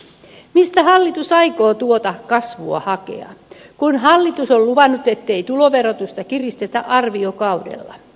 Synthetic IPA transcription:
mist̪æhɑlːit̪usɑikoːt̪uot̪ɑkɑsʋuɑ̰hɑkḛɑ̰ | kunhɑlːit̪usolluʋɑnːut̪et̪ːeit̪uloʋerot̪ust̪ɑkirist̪et̪æʔɑrʋiokɑudḛlːɑ̰

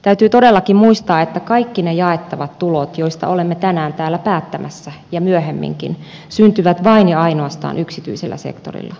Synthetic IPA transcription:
t̪æyt̪yːt̪odelːɑkimmuist̪ɑːet̪ːækɑikːinejɑet̪ːɑʋɑt̪t̪ulot̪joist̪ɑ̰ʔolemːet̪ænæːnt̪æːlːæpæːt̪ːæmʔæsːæjɑmyøhemːḭŋkḭn | synt̪yʋæt̪ʋɑinjiɑinoɑst̪ɑ̰ːnʔyksit̪y̰iselːʔæ̰sḛkt̪o̰rḭlːɑ

